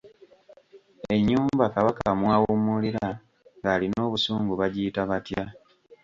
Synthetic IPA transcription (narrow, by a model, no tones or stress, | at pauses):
e̞ɲːuːmbakaβakaamwaːwumuliɾa | ŋɡaːlino̞ːβusuːŋɡuβaɟiitaβatja